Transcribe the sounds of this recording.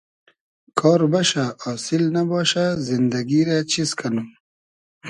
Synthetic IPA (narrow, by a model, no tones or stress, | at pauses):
kʰɔːɾbɐʃaɔːsilnɐbɔːʃazind̪ɐɡiɾat͡ɕiskʰɐnu